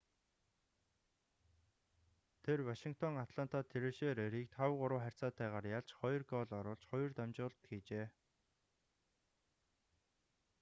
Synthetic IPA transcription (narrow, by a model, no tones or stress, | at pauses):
t̪ʰerwaʃiŋkt̪ʰɔŋat̪ʰɮan̥t̪ʰat̪ʰeɾeʃeːɾeɾiːk̚t̪ʰχawʁʊɾəːχær̥ʲt͡saːt̪æːʁaːɾjaɮt͡ɕχɔjɞ̆rɡɔɮɔɾʊːɮt͡ɕχɔj̆rt̪amt͡ɕʊːɮt̪ɡiːt͡ɕeː